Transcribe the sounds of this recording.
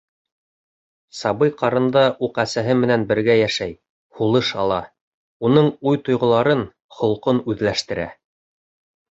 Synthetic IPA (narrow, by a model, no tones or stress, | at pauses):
sɑbɤjqɑɾɤ̆nd̪ɑʔuqæsæɦɘmɘ̆nænbɘ̆ɾɡæjæʃæj | hulˠɤʃɑ̰lˠɑ̰ | unɤɴujt̪ŏjʁŏlˠɑɾɤn | χŏlˠqonʉðlæʃt̪ɘ̆ɾæ̰